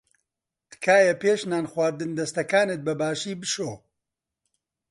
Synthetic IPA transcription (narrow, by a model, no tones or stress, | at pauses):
t̪ɨ̥kʰaːjɐpeːʃnaːnχwaːɾd̪ɨnd̪ɐst̪ɐkaːnɨt̪̚bɐbaːʃiːbɨʃoː